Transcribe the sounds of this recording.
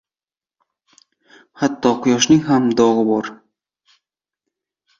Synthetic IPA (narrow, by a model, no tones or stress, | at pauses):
hat̪ːɒqʊjɒʃniɦamd̪ɒʁbɒɾ